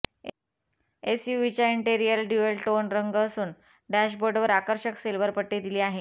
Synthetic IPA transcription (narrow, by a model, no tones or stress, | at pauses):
esjuʋit͡ɕjaiɳʈiɾijəlɖjuelʈonɾəŋɡːsuːn | ɖæɕboɾɖʋəɾakəɾɕəkselʋəɾpəʈːed̪iliːaɦe